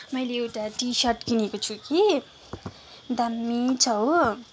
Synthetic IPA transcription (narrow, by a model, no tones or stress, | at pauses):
mʌjleewʈaʈisʌʈkinekot͡sʰuki | d̪ʌmːit͡sʰʌw